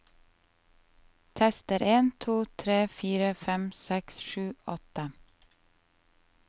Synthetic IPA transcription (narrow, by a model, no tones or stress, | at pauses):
t̪ʰɛst̪əɾʔeːnt̪ʰuːt̪ʰɾeːfiːɾəfɛmsɛksʃʉːʔɔt̪ə